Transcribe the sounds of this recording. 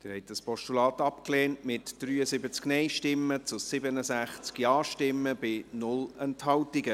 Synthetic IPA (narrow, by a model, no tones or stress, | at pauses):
d̥ɪɾhɛtəspʰɔʃtulɑːtɑpkleːntmɪtd̥ryːəzɪbət͡sknɛɪʃtɪmːət͡sʊsɪbənəsæχt͡skjɑːʃtɪmːəbɪnʊlɛnthɑwtɪɡə